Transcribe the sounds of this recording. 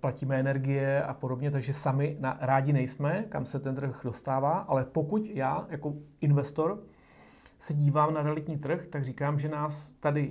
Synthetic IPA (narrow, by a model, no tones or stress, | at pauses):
placiːmɛɛnɛɾɡɪjɛa̰po̞dobɲɛt̪aɡʒɛsamɪnaɾaːɟɪnɛjsmɛka̰msɛt̪ɛnt̪r̩xdo̞st̪aːvaːʔalɛpo̞kucjaːjako̞ʔɪnvɛst̪o̞ɾ | sɛɟiːvaːmnaɾɛalɪt̪ɲiːt̪r̩xt̪aɡriːkaːmʒɛnaːst̪adɪ